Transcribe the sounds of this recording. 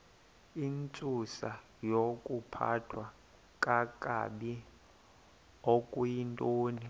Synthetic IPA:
int͡sʼusa | jokʼupʰa̰tʰwa | kʼakʼa̰ɓi | okʼujintʼoːni

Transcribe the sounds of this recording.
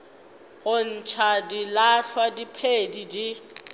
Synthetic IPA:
ɣʊn̩t͡ʃʰadilaɬʰwadipʰedidi

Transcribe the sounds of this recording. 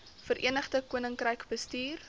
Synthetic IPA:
fəɾʔḭənəχdəkuənəŋkrəjkbəstiːr

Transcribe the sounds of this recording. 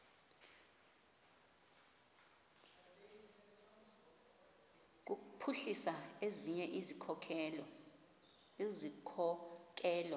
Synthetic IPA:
k̬ʼukupʰuɬisaeziɲɛʔizikʰɔkʰɛlɔ | ezikʰɔk̬ʼɛːlɔ

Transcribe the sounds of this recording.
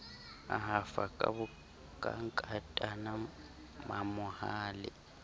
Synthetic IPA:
a̰ɦafakʼabʊ | kʼaŋ̩kʼatʼana | mamʊhaːlɪ̰

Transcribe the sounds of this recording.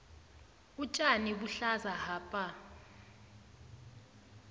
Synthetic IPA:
ut͡ʃʼaniɓuɬazaɦaːpʼa

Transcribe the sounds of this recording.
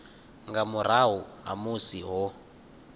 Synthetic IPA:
ŋɡamuɾaɦuɦa̰musiɦɔ

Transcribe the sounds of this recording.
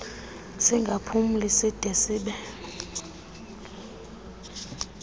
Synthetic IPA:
siŋɡʱapʰum̩lisid̥ʱɛsiːɓɛ

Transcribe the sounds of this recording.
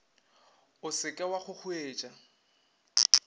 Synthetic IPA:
ʊsɪkʼɛwaχʊk͡xʰʊeːt͡ʃʼa

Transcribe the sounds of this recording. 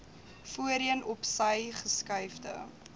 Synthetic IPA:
fuəɾiənɔpsɐjχəskɐjfdə̰

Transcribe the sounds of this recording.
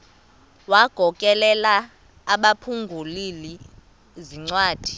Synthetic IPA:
waɡ̥ʱɔkʼɛlɛlaː | ɓapʰuŋɡʱulili | ziŋ͡ǀwaːd̥ʱi̥

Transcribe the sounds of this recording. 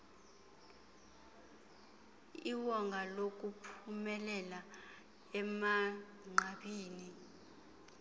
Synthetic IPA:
iwɔŋɡʱalok̬ʼupʰumɛlɛla | ɛma | ŋ͡ǃaɓiːni

